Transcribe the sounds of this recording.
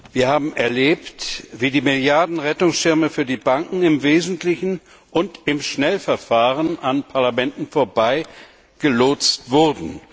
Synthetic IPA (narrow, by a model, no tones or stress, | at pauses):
viːɐhaːbm̩ʔɛɐleːptv̥iːdiːmɪljaɐdn̩ʁɛtʊŋsʃɪʁməfyːɐdiːbaŋkŋ̩ɪmveːzn̩tlɪçn̩ | ʔʊntɪmʃnɛlfɛɐfaːʁənʔanpʰaɐlamɛntn̩foːɐbaɪ | ɡ̥əloːt͡stv̥ʊʁdn̩